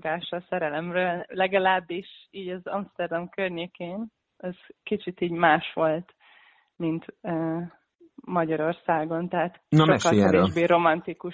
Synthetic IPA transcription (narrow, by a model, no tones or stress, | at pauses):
ɡaːʃɒsɛɾɛlɛmrøːllɛɡɒlaːbːiʃiːɟɒzɒmst̪ɛrd̪ɒmkørɲeːkeːn | ɛz̥kit͡ʃit̪iːɟmaːʃʋo̞lt̪ | mint̪ː | mɒɟɒɾo̞rsaːɡo̞nt̪ɛɦat̪nʃoɛkːɒlkɛveːʒbeːɾo̞mɒnt̪iku